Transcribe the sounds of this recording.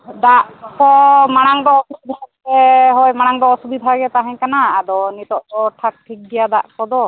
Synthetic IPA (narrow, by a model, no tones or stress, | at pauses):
d̪aʔkɔmaɽ̃aŋd̪ɔːpisd̪ʱa | ɛɦɔjmaɽ̃aŋd̪ɔːsubid̪ʱaɡɛt̪aɦãɲkanaːd̪ɔnit̪ɔʔd̪ɔʈʰak̚ʈʰik̚dɛjad̪a̰ʔkɔd̪ɔ